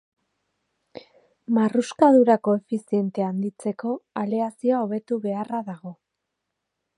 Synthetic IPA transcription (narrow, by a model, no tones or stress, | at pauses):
maruskaðuɾako̞e̞fisie̞nt̪e̞and̪it͡se̞ko̞aleasioaoβe̞t̪uβe̞araðaɣo̞